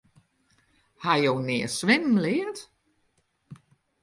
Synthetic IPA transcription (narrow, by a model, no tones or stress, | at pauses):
hajownɪːəsʋɪnn̩lɪːət